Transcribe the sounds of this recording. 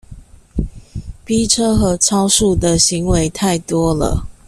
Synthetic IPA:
pi˦ʈ͡ʂʰɤ˦xɤ˨˦ʈ͡ʂʰɑ˥ʊʂu˥˩d̪ə˨ɕi˨˦ŋwe˨˦ɪt̪ʰa˥˩ɪt̪wɔ˥lə̰˨

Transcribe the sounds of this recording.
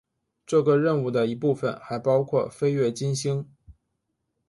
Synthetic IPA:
ʈ͡ʂɤ˥˩ɡə˧ɻə˥˧nu˥˩d̪ə˨i˧˥pu˥˩fə˨˩nxa˧˥ɪpɑ˥ʊkʰwɔ˥˩fe˥ɪɥɛ˥˩t͡ɕi˥nɕi˥ŋ

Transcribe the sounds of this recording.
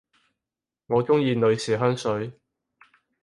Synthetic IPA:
ŋɔː˨˧t͡sʊ˥ŋjiː˧nɵ˨˧ɥsiː˨˩ɦœː˥ŋsɵ˨˥ɥ

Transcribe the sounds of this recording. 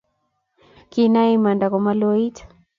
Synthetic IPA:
kina˦i˦ma˨nda˨kɔ˨ma˦lɔ˦i˦tḁ

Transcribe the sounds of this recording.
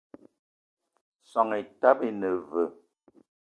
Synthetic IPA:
sɔ˨ŋe˨ta˦be˦nə˨və˨

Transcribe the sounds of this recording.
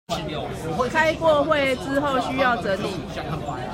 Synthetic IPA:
kʰa˦˥ɪkwɔ˥˧xwe˥˨ɪt͡s̩˦xo˥˨ʊɕy˦jɑ˥˨ʊt͡sə˨˦t̪i˨˦

